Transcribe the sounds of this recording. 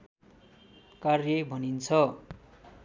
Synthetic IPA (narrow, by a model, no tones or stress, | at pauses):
karjʌbʱʌnint͡sʰʌ